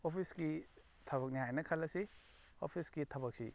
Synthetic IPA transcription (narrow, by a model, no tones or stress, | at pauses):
opʰiski | tʰɐbɐk̚niɦajnɐkʰalɐsi | o̰pʰisɡitʰɐbɐk̚sḭ